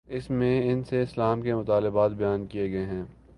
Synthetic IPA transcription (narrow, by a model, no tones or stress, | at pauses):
ɪsmẽɪnseɪslaːmkemʊt̪aːlɪbaːt̪̚bɐjaːnkijeɡɐeɦɛ̃ː